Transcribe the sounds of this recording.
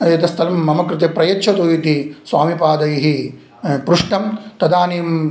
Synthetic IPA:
jɐt̪ɐst̪ʰɐlɐmːɐmɐkɾɪt̪epɾɐjɐt͡ʃʰɐt̪oːjit̪isʋaːmipaːd̪ɐjiɦi | pɾuʂʈɐmt̪ɐd̪aːniːm

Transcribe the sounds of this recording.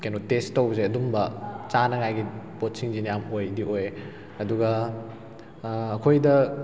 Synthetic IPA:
kenotestːowzeɐdumbɐt͡ʃanɐŋajɡipot̚siŋziniamojdiʔoj | ɐduɡɐ | kʰojdɐ

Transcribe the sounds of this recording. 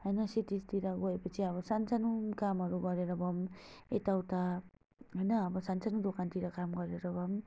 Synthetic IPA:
ɦʌjnʌsit̪id͡zt̪iɾʌɡoepʌt͡sʰiʌβʌsant͡sanukamɦʌɾuɡʌɾeɾʌbʌmet̪awt̪a | ɦʌjnʌːbʌsant͡sanud̪okant̪iɾʌkamɡʌɾeɾʌbʌm

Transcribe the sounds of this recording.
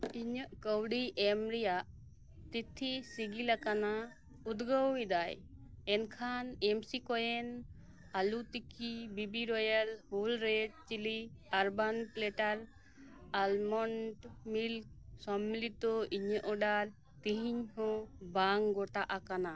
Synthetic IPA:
iɲəʔkəwɖiʔɛmɾɛjaʔ | t̪it̪ʰːisiɡilakana | ud̪ɡəwid̪ajɛnkʰanemsikɔjɛn | alut̪ikibibiɾɔjəlholɾeɖ̚t͡ʃiliaɾbanplɛʈaɾ | almɔɳʈmilk̚ | sɔmːilit̪ɔiɲəʔɔɖaɾ | t̪iɦiɲhɔ̃baŋɡɔʈaʔakana

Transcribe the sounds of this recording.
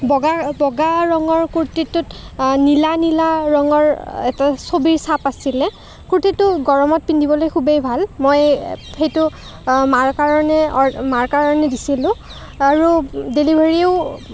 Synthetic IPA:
bɔɡabɔɡaɹɔŋɔɹkuɹtitːʊtnilanilaɹɔŋɔɹɛtasobiɹsapasilɛ | kuɹtitːʊɡɔɹɔmɔt̚pindʱibɔlojkʰubejbʱalmojxejtʊ | maɹkaɹɔnɛɔmaɹkaɹɔnɛdisilʊ̃ | aɹudelibʱaɹieʊ

